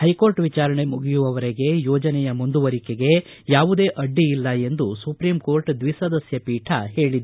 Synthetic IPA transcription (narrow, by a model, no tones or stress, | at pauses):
hɐjko̞ːɾʈʋit͡ʃaːɾɐɳe̞muɡijuʋɐʋɐɾeɡe̞jɔːd͡ʒɐnɛjɐmund̪uʋɐɾikeɡe̞jaːʋud̪e̞ːʔɐɖːiilːɐe̞nd̪usupɾimko̞ːɾʈd̪ʋisɐd̪ɐsjɐpiːʈʰɐɦe̞ːɭid̪